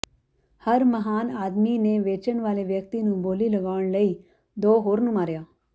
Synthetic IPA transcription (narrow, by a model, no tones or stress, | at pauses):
həɾməɦaːnaːd̪miːneːʋeːt͡ʃəɳʋaːleʋjək̚t̪iːnũːboːliːləɡaːəɳləiː | d̪oːɦoːɾnũːmaːɾjaː